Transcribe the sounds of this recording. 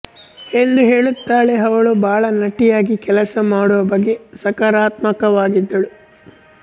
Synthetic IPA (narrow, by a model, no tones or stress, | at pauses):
e̞nd̪uɦeːɭut̪ːaːɭeɦɐʋɐɭubaːɭɐnɐʈːijaːɡikɛlɐsɐmaːɽuʋɐbɐɡːe̞sɐkaɾaːt̪mɐkɐʋaːɡid̪ːɐɭu